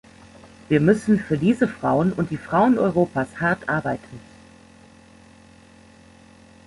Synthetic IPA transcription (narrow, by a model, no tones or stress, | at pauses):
viːɐmʏsn̩fyːɐdiːzəfʁ̥aʊənʊnt̚d̥iːfʁ̥aʊənɔʏʁ̞oːpashaɐtʔaɐbaɪtʰn̩